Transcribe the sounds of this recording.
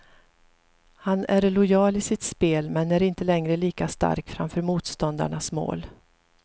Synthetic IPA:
hanæɾlʊjɑːlɪsɪt̪speːlmɛnæɾɪnt̪əlɛŋɾəliːkast̪a̰ɾkfɾa̰mfœːɾmuːt̪st̪ɔnd̪a̰ɳasmo̰ːl

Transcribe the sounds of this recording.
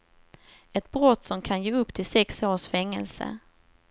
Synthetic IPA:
ɛt̪̚bɾɔt̪ːsɔmkʰanjeːɵpːt̪ʰɪlsɛksoːʂfɛŋːə̰lsə̰

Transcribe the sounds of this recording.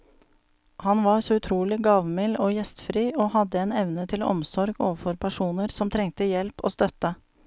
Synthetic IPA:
hɑnʋɑɾsoːʉt̪ʰɾuːlɪɡɑːʋmɪloːjɛst̪fɾiːʔoːhɑd̪əeːnɛʋnət̪ʰɪlɔ̰msɔɾɡo̰ːʋəɾfɔɾpʰæʂuːnəɾsɔmt̪ʰɾɛŋt̪əjɛlpo̰ːst̪œt̪ə

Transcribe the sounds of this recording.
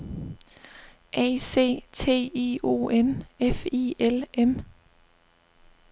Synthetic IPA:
ʔɛ̰ːse̝̰ːt͡sʰe̝̰ːiːo̝̰ːʔenefḭːelem

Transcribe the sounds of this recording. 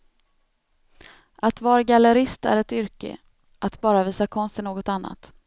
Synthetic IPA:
ʔat̪vɑːɾaɡaləɾɪst̪æ̰ɾɛt̪ʏɾkə̰ | ʔat̪bɑːɾaviːsakʰɔnst̪ənoːɡɔt̪anːa̰t̪

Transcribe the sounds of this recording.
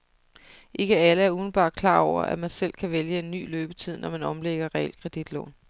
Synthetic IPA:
ʔe̝ɡ̥əæləæɐuːðˠn̩b̥ɑ̥̈ːkʰlɑ̈ːɒʊ̰ɐ̰ʔæmænsel̰kʰæʋeljəe̝nːy̰ːløːb̥ət͡sʰið̞̰ˠnʔɒmænɒ̽mleɡ̥ɐʁɛeld̥kʰʁɛd̥id̥lɔ̰ːn

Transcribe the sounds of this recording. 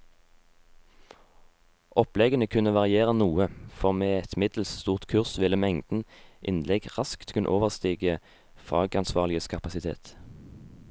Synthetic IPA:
ʔɔplɛɡənəkʰʉnəʋɑʁɪeːʁənuːəfɔʁmeːɛt̪mɪd̪l̩sst̪uːʁt̪kʰʉʁsʋɪləmɛŋd̪̥n̩ʔɪnlɛɡʁɑskt̪ʰkʉnʔoːʋəʁst̪iːɡə | fɑ̰ːɡɑnsʋɑːʁlɪəskʰɑpɑsɪt̪ʰḛːt̪

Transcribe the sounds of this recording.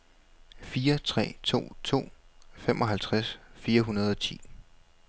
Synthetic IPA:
fiːɐt͡sʰʁɛ̰ːt͡sʰo̝̰ːt͡sʰo̝̰ːfemʔɒ̽ɦælt͡sʰʁasfiːɐɦunɐð̞ˠɒ̽t͡sʰḭː

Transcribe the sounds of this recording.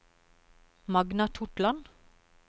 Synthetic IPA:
mɑɡnɑt̪ʰʊʈlɑn

